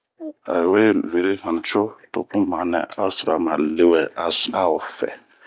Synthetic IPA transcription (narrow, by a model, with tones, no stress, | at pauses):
a̰˨we˦le˨ɾe˦hã˨n˨t͡ʃo˦to̰˨pũ˦mã˨˦nɛ̰̃˨a˦su˨ɾa˨ma˨le˦wɛ˦a˨sa˦o˨fɛ̰˨